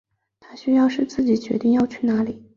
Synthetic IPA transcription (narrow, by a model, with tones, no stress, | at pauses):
t̪ʰa˥ɕy˥jɑ˥˧ʊʂɻ̩˥˧t͡sɹ̩˥˩t͡ɕi˨˩t͡ɕɥɛ˧˥t̪i˥˧ŋjɑ˥˧ʊt͡ɕʰy˥˩na˧˥li˨˩˦